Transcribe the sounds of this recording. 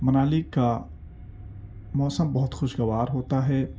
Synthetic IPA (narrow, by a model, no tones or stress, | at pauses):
mɐnaːlika | mɔːsəmbɐɦʊt̪xʊʃɡɐʋaːɾɦoːt̪aɦɛː